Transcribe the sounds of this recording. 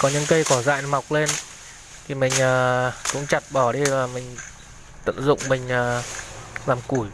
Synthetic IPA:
kɔ˨˦ɲɨ̰˧˥ŋkə˧jkɔ˧˩za̰ː˧˨jma˨˩wk͡p̚le˧n | t̪ʰi˨˩mï˨˩ŋ̟ʔəː˨˩kʊ̰˧˥ŋ͡mt͡ɕa˨˩t̚ɓɔ˧˩ɗi˧vaː˨˩mï˨˩ŋ̟ | t̪ə̰˧˨nzʊ̰˧˨ŋ͡mmï˨˩ŋ̟ʔəː˨˩ | laː˨˩mku˧˩j

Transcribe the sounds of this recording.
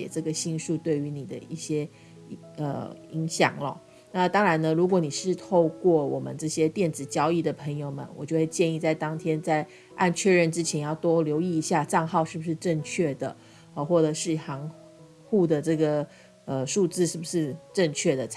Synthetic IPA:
ɛ̰˨˩ʈ͡ʂɤ˥˩ɡə˩ɕi˥˧nʂu˥˧t̪we˥˩ɪy˧˥ni˨˩d̪ə˦i˥˩ɕjɛ˥ | ə̰˧˩i˧˥ŋɕjɑ̰˨˩ŋlə̰˦ | na˥˩˨t̪ɑ˥ŋɻa˧˥nnə˧ɻu˧˥k̬wɔ˧˥ni˨˩ʂɻ̩˥˧t̪ʰo˥˧ʊkwɔ˥˩wɔ˨˩mə˦nʈ͡ʂɤ˥˩ɕjɛ˥t̪jɛ˥˩nt͡sɻ̩˨˩t͡ɕjɑ˥ʊi˥˩d̪ə˩pʰə˧˥ŋjo˧ʊmə̰˦nwɔ̰˨˩t͡ɕjo˥˧we˥˧ɪt͡ɕjɛ˥˧ni˥˧t͡sa˥˩ɪt̪ɑ˥ŋt̪ʰjɛ˥nt͡sa˥˧ɪ | a̰˥˧nt͡ɕʰɥɛ˥˧ɻə˥˩nʈ͡ʂɻ̩˥t͡ɕʰjɛ˧˥njɑ˥˩ʊt̪wɔ˥ljo˧˥ʊi˥˩i˧˥ɕja˥˧ʈ͡ʂɑ˥˧ŋxɑ˥˧ʊʂɻ̩˥˩bu˩ʂɻ̩˥˧ʈ͡ʂə˥˧ŋt͡ɕʰɥɛ˥˩d̪ə̰˩ | ə˧xwɔ˥˩ʈ͡ʂə˨˩ʂɻ̩˥˩xɑ˧˥ŋ | xu˥˩d̪ə˩ʈ͡ʂɤ˥˩ɡə˩ | ə˩ʂu˥˧t͡sɹ̩˥˧ʂɻ̩˥˩bu˩ʂɻ̩˥˧ʈ͡ʂə˥˧ŋt͡ɕʰɥɛ˥˩d̪ə˩

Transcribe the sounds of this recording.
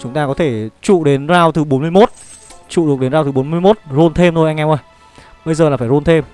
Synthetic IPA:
t͡ɕʊ˨˦ŋ͡mt̪aː˧kɔ˨˦t̪ʰe˧˩t͡ɕṵ˧˨ɗe˨˦nzaː˧wt̪ɨ˨˩ɓo˨˦nmɨ˧əjmo˦˥t̚ | t͡ɕṵ˧˨ɗəe˨˦nzaː˧wt̪ɨ˨˩ɓo˨˦nmɨ˧jmo˦˥t̚zo˧nt̪ʰe˧mt̪ʰo˧jʔa˧jŋʔɛ˧wʔə˧j | ɓə˧jzəː˨˩laː˨˩faː˧˩zo˧nt̪ʰe˧m

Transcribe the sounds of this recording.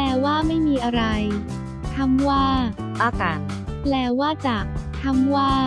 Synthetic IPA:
lɛː˧˩waː˥˩ma˥˩jmiː˧ʔa˧ɾa˧j | t̪ʰa˧˥˩mwaː˥˩ | ʔaː˧˩kaː˧n | plɛː˧˩waː˥˩t͡ɕa˨˩k̚t̪ʰa˧˥mwaː˥˩

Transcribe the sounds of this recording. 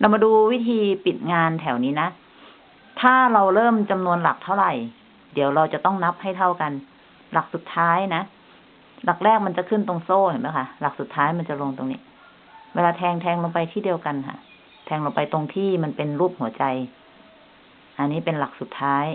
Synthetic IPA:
la˧wmaː˧duː˧wi˦˥t̪ʰiː˧pi˨˩t̪̚ŋaː˧nt̪ʰɛː˨˩˦wniː˦˥na˦˥ | t̪ʰaː˥˩ɾa˧wɾɤː˥˩mt͡ɕa˧mnu˧ənla̰˨˩k̚t̪ʰa˥˩wɾa˨˩j | di˨˩˦əwɾa˧wt͡ɕa˨˩t̪ɔ˥˩ŋna˦˥p̚ha˥˩jt̪ʰa˧˥˩wka˧n | la˨˩k̚su˨˩t̪ʰːaː˦˥jna˦˥ | la˨˩k̚lɛː˥˩k̚ma˧˥nt͡ɕa˨kʰɯ˥˩nt̪o˧ŋsoː˥˩ha˨˩˦mbɛ˧˥˩wkʰa˧˥la˨˩k̚su˨˩t̪ʰːaː˦˥jma˧nt͡ɕa˨˩lo˧ŋt̪o˧ŋnḭ˦˥ | wɛː˧laː˧t̪ʰɛː˧ŋt̪ʰɛː˧ŋlo˧ŋpa˧jt̪ʰiː˥˩di˧əwka˧nɦa̰˧˩ | t̪ʰɛː˧ŋlo˧ŋpa˧jt̪o˧ŋt̪ʰiː˥˩ma˧˥npe˧nɾuː˥˩p̚hu˩˦ɐt͡ɕa˧j | ʔa˧nːiː˦˥˩pe˧nla˨˩k̚su˨˩t̪ʰːaː˦˥j

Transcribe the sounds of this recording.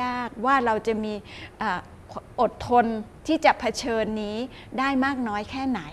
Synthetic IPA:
aː˥˩k̚waː˥˩ɾa˧wt͡ɕa˨˩miː˧ʔaː˨˩ | ʔo˨˩t̪ʰːo˧nt̪ʰiː˥˩t͡ɕa˨˩ʔpʰa˧t͡ɕʰɤː˧nːiː˦˥ | daː˥˩jmaː˥˩k̚nɔː˦˥jkʰɛː˥˩na˩˦j

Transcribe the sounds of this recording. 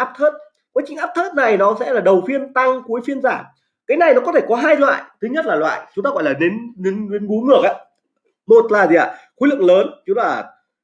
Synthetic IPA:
ʔaː˦˥p̚t̪ʰə˦˥t̚ | kwaː˨˦˥t͡ɕï˨˩ŋ̟ʔaː˦˥p̚t̪ʰəː˦˥t̚na˨˩jnɔ˨˦sɛ̰˧˥laː˨˩ɗə˨˩wfi˧ənt̪a˧ŋku˨˦əjfi˧ənzaː˧˩m | kaː˨˦jna˨˩jnɔ˨˦kɔ˨˦t̪ʰe˧˩kɔ˨˦ɦaː˧jlwa̰ː˧˨jt̪ʰɨ˨˦ɲə˦˥t̚laː˨˩lwa̰ː˧˨jt͡ɕʊ˨˦ŋ͡mt̪aː˧ɣɔ̰˧˨laː˨˩ne˨˦nne˨˦ne˨˦nɓu˨˦ŋɨ˧˩ək̚ʔaː˨˦ | mo˨˩t̚laː˨˩zi˨ʔaː˨˩xu˧˦lɨ˧˨ŋ̚ləː˨˦nt͡ɕu˨˦laː˨˩

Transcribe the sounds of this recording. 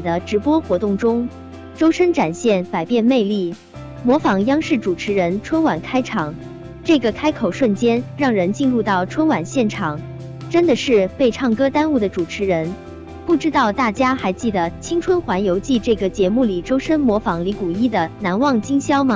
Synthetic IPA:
d̪ə˦ʈ͡ʂɻ̩˧˥pwɔ˥xwɔ˧˥t̪ʊ˥˩ŋʈ͡ʂʊ˥ŋ | ʈ͡ʂo˥ʊʂə˥nʈ͡ʂa˨˩nɕjɛ˥˩npa˨˩ɪpjɛ˥˧nme˥˧ɪli˥˩ | mwɔ˧˥fɑ˧˥ŋjɑ˥ŋʂɻ̩˥˩ʈ͡ʂu˨˩ʈ͡ʂʰɻ̩˧˥ɻə˧˥nʈ͡ʂʰwə˥nwa˨˩nkʰa˥ɪʈ͡ʂʰɑ˨˩˦ŋ | ʈ͡ʂɤ˥˩ɡə˩kʰa˥ɪkʰo˨˩ʊʂwə˥˩nt͡ɕjɛ˥nɻɑ˥˩ŋɻə˧˥nt͡ɕi˥˧nɻu˥˧t̪ɑ˥˩ʊʈ͡ʂʰwə˥nwa˨˩nɕjɛ˥˩nʈ͡ʂʰɑ˨˩˦ŋ | ʈ͡ʂə˥nd̪ə˨ʂɻ̩˥˧pe˥˧ɪʈ͡ʂʰɑ˥˩ŋkɤ˥t̪a˥nu˥˩d̪ə˩ʈ͡ʂu˨˩ʈ͡ʂʰɻ̩˧˥ɻə˧˥n | pu˥˩ʈ͡ʂɻ̩˥t̪ɑ˥˧ʊt̪a˥˩t͡ɕja˥xa˧˥ɪt͡ɕi˥˩d̪ə˩t͡ɕʰi˥ŋʈ͡ʂʰwə˥nxwa˧˥njo˧˥ʊt͡ɕi˥˧ʈ͡ʂɤ˥˩ɡə˩t͡ɕjɛ˧˥mu˥˩li˨˩ʈ͡ʂo˥ʊʂə˥nmwɔ˧˥fɑ˧˥ŋli˧˥ku˨˩i˥˩d̪ə˩na˧˥nwɑ˥˩ŋt͡ɕi˥ŋɕjɑ˥ʊmə˨

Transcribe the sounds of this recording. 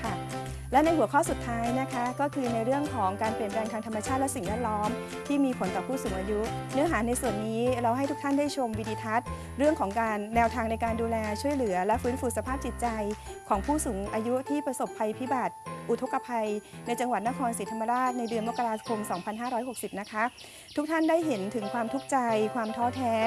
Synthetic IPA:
kʰa˥˩ | lɛ˦˥wna˧jhu˨˩˦əkʰɔː˥˩su˨˩t̪ʰːaː˦˥jna˦˥kʰa˦˥kɔː˥˩kʰɯː˧na˧jɾɯ˥˩əŋkʰɔː˩˦ŋkaː˧npli˨˩ən̚ɾɛː˧ŋt̪ʰaː˧t̪ʰmːa˧t͡ɕʰaː˥˩lɛ˦˥si˨˩ŋwɛː˥˩t̪̚lɔː˦˥m | t̪ʰiː˥˩miː˧pʰo˩˦nt̪ɔː˨˩pʰuː˥˩suː˩˦ŋʔaː˧ju˦˥nɯ˧˥əɦaː˩˦na˧jsu˨˩ənːiː˦˥ɾa˧wɦa˥˩j̪ʰu˦˥k̚t̪ʰa˥˩ndaː˥˩jt͡ɕʰo˧mwi˧ni˧˩t̪ʰa˦˥t̪̚ | ɾɯ˥˩əŋkʰɔː˩˦ŋkaː˧nːɛː˧wt̪ʰaː˧ŋna˧jkaː˧nduː˧lɛː˧t͡ɕʰu˥˩əjlɯ˩˦ɐlɛ˦˥ʔfɯː˦˥nfuː˧sa˧pʰaː˥˩p̚t͡ɕi˨˩t̪̚t͡ɕa˧j | kʰɔː˩˦ŋpʰuː˥˩suː˩˦ŋʔaː˧ju˦˥t̪ʰiː˥˩pɾa˧so˨˩pʰːa˧jpʰi˦˥baː˨˩t̪̚ʔu˨˩t̪ʰo˦˥kːa˧pʰa˧jna˧jt͡ɕa˧ŋwa˨˩t̪̚na˦˥kʰɔː˧nsiː˨˦t̪ʰa˧mːa˧ɾaː˥˩t̪̚na˧jdɯ˧nmo˦˥kːa˧ɾaː˧kʰo˧msɔː˩˦ŋpʰa˧nɦaː˥˩ɾɔː˦˥jɦo˨˩k̚si˨˩p̚na˦˥kʰa˦˥ | t̪ʰu˦˥k̚t̪ʰa˥˩ndaː˥˩jɦe˩˦nt̪ʰɯ˨˩˦ŋkʰwaː˧mt̪ʰu˦˥k̚t͡ɕa˧jkʰwaː˧mt̪ʰɔː˦˥t̪ʰɛː˦˥

